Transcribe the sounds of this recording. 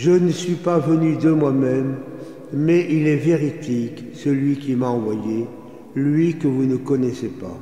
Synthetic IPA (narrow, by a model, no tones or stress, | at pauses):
ʒənəsɥipavənyd̪əmwamɛmː | ɛʔilɛveʁit̪ik | səlɥikʲimaɑ̃vwaje | lɥikəvunəkɔnɛsepa̰